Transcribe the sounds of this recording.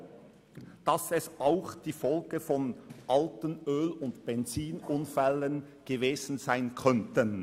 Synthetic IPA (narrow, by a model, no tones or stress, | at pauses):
d̥asɛsʔaʊxd̥iːfɔlɡ̥əfɔnʔaltənøːlʊntb̥ɛnt͡siːnʊnfɛlən | ɡ̥əveːzn̩z̥aɪnkʰœntən